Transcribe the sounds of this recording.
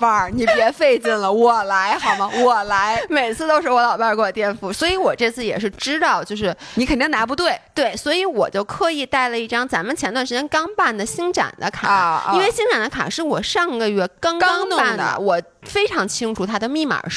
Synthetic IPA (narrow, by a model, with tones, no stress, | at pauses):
a˥˧˩ni˨˩pjɛ˧˥fe˥˧ɪt͡ɕi˥˩nlə˩wɔ˨˩la˧˥ɪxɑ˨˩ʊmɐ˦wɔ˨˩la˧˥ɪme˨˩ɪt͡sʰɹ̩˥˧t̪o˥ʊʂɻ̩˥˩wɔ˧˥lɑ˨˩ʊpa˥˧ko˥˩ɔ˨˩t̪jɛ˥˧nfu˧˥˩swɔ˧˥i˧˥wɔ˨˩ʈ͡ʂɤ˥˧t͡sʰɹ̩˥˩jɛ̰˨˩ʂɻ̩˥˩ʈ͡ʂɻ̩˥t̪ɑ˥˧ʊt͡ɕjo˥˧ʊʂɻ̩˥˩ni˧˥kʰə˨˩nt̪i˥˩ŋna˧˥p̬t̪we˥˩ɪt̪we˥˩ɪswɔ˧˥i˧˥wɔ˨˩t͡ɕjo˥˩ʊkʰɤ˧˥i˧˩t̪a˥˩ɪlə˩i˥˩ʈ͡ʂɑ˥ŋt͡sa˧˥nmə˧t͡ɕʰjnt̪wa˥˩ʂɻ̩˧˥t͡ɕʲɛ˥nkɑ˥ŋpa˥˩nd̪ə˩ɕi˥ŋʈ͡ʂa̰˨˩nd̪ə˦kʰa̰˨˩˦i˥nwe˥˩ɪɕi˥ŋʈ͡ʂa˨˩nd̪ə˦kʰa̰˨˩ʂɻ̩˥˩wɔ˨˩ʂɑ˥˩˧ŋɡə˩ɥɛ˥˩kɑ˥ŋkɑ˥ŋ˥pa˥˩nd̪d̪ə̰˩wɔ˨˩˦ | fe˥ɪʈ͡ʂʰɑ˧˥ŋt͡ɕʰi˥ŋʈ͡ʂʰu˨˩t̪ʰa˥d̪ə˨˩mi˥˩ma̰˨˧˩